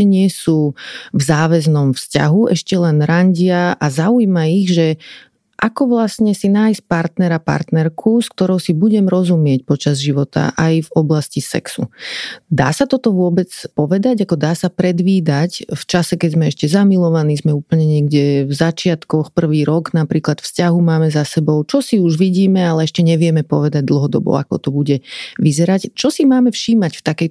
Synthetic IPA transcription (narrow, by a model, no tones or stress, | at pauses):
ɛɲɪɛsuːvzaːʋɛznɔmfsca̰ɦuʔɛʃcɛlɛnɾaɲɟɪaazaujmaiɣʒɛ | ʔakɔʋlasɲɛsinaːjsc̚paɾt̪nɛɾapa̰ɾt̪nɛɾkʰuskt̪ɔɾɔʊsibuɟɛmɾɔzumɪɛc̚pɔt͡ʃazʒiʋɔt̪a̰ʔajvɔblascisɛ̰ksṵd̪a̰ːsat̪ɔt̪ɔʋʊɔbɛt͡spɔʋɛd̪aɟakɔd̪aːsapɾɛd̪ʋiːd̪acft͡ʃasɛkɛɟzmɛɛʃcɛzamilɔʋanizmɛuːpl̩ɲɛɲɪɛɡɟɛvzat͡ʃɪat̪kɔxpr̩ʋiːɾɔɡnapɾiːklat̪fscaɦumaːmɛzasɛbɔʊt͡ʃɔsiuʒʋiɟiːmɛalɛɛʃcɛɲɛʋɪɛmɛpɔʋɛd̪aɟ̚d̪l̩ˠɦɔd̪ɔ̰bɔ̰a̰kɔ̰t̪ɔbuɟɛʋizɛɾact͡ʃɔsimaːmɛfʃiːmacft̪akɛj